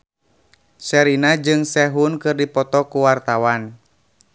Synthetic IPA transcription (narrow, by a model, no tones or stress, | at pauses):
sɛɾinad͡ʒɨŋsɛɦunkɨrdipɔt̪ɔkuwart̪awan